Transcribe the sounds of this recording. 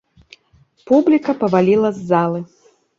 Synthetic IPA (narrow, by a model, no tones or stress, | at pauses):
publʲikɐpɐvalʲilˠɐzːalˠɨ